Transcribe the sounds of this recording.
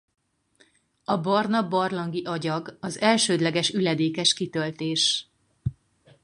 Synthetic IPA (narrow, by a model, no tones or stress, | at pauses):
ɒbɒrnɒbɒrlɒŋɡiʔɒɟɒɡɒzɛlʃøːd̪lɛɡɛʃylɛd̪eːkɛʃkit̪ølt̪eːʃ